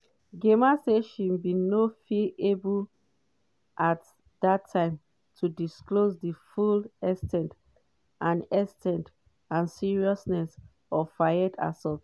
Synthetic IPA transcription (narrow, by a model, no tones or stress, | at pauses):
ɡemaseʃibinofiʔebul | ʔat | ðatʰːãɪ̃m | tʰudisklosdifulɛstʰɛ̃nd | ʔãnɛstɛ̃nd | ãnsiɹiɔsnɛs | ɔfajɛda̰sɔ